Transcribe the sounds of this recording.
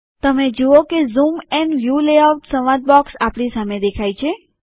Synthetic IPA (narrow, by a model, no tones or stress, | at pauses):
t̪əmed͡ʒookezumɛnʋjuleawʈsəʋãd̪̚bɔksapɳisamed̪ekʰajt͡ʃʰe